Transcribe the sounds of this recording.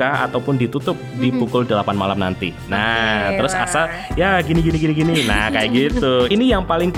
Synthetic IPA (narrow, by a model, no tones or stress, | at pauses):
aa̰t̪awpʊndit̪ut̪ʊp̚dipukʊldəlapanmalamna̰nt̪ḭnat̪əɾʊsa̰sa | jaɡiniɡiniɡiniɡinina̰hkajaʔɡit̪uinijaŋpalɪŋp